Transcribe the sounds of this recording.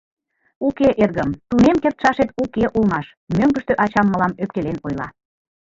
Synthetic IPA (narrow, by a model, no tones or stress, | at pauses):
ukeʔerɣəmt̪unemkert̪ʃɑʃet̪ukeʔulmɑʃ | møŋɡə̆ʃt̪øʔɑt͡ɕɑmːəlɑmøp̚kelenojlɑ̰